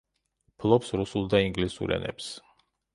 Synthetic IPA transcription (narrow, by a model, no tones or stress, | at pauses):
pʰlˠɔpsɾusulˠd̪aiŋɡlisṵɾɛ̰nɛ̰ps